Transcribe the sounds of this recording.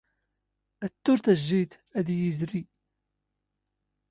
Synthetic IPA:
æt̪ːʊɾθæʒːiθ | æðjizɾi

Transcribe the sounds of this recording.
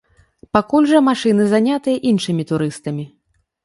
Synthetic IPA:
pakulʲʐɐmaʂɨnɨzanʲat̪ɨjɐʔinʂɨmʲit̪uɾɨst̪ɐmʲi

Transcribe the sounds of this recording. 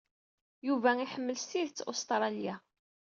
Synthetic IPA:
juvæiħəmːəlsiðt͡sːo̰st̪ɾˤɑlija

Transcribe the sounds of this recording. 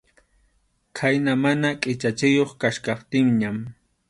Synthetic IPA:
kʰajnamanakʼɪt͡ʃat͡ʃɪjoχkaʃkɑχt̪ɪŋɲam

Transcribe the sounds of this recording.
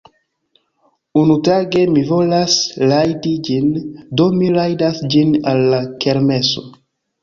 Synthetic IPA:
unutaɡe̞mivo̞laslajdid͡ʒindo̞miɾajdasd͡ʒinalːake̞ɾme̞so̞̰

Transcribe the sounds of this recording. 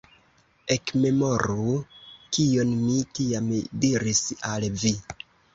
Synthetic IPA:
e̞kme̞moɾukio̞nmitiamdiɾisalvi

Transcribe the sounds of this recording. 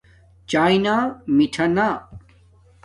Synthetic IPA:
t͡ɕaːjnamiʈʰɐnaː

